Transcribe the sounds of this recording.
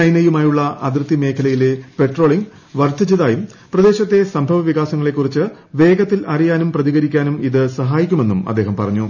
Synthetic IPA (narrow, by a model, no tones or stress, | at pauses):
ɐjnɐjumaːjuɭːɐʔɐd̪rɨt̪ːime̞ːkʰɐlɐjile̞pe̞ʈro̞ːɭiŋɡ | ʋɐrt̪ʰɐd͡ʑiðaːjum | prɐd̪e̞ːɕɐt̪ːe̞sɐmbʱɐʋɐʋiɣaːsɐŋːɐɭe̞kːurit͡ɕːɨ | ʋe̞ːɡɐt̪ːilɐrijaːnumprɐðiɣɐɾikʲːaːnumiðɨsɐɦaːjikʲːume̞nːumɐd̪ːeːɦɐmpɐ̰rɐɲːu